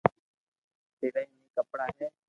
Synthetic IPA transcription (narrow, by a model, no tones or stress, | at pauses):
seːɽaːĩːnĩːkəpɽaːɦeː